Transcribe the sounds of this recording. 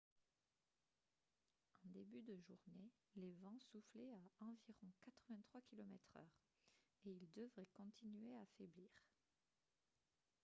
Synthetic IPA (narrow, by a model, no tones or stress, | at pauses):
ɑ̃d̪ebyd̪əʒuʁne | levɑ̃sufleaɑ̃viʁɔ̃kat̪χəvɛ̃t̪χwakʲilɔmɛt̪χœ̰ːʁ | eild̪əvʁɛkɔ̃t̪ʰinɥeafɛbliːʁ